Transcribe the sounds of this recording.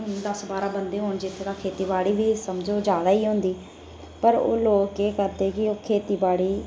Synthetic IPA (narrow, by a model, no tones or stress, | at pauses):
ʊnːd̪əsbaːɾaːbənd̪eːɦoːnd͡ʒɪt̪ʰːed̪aːkʰeːt̪iːbaːɽiːbiːsəmd͡ʒoːd͡ʒjaːd̪aːiːɦʊ̃nd̪iː | pəɾo̰ːloːkeːkəɾd̪eːkɪoːkʰeːt̪iːbaːɽiː